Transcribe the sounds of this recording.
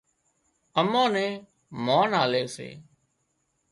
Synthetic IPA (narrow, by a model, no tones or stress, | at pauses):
əmãːnɛ̃ː | maːnaːleːsḛː